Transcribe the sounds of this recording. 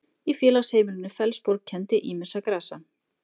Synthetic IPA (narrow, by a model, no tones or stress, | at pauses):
ifjɛːlashejmɪlɪnːɪfɛlspoɾk̚cʰɛnt̪ɪʔiːmɪ̥sakɾaːsa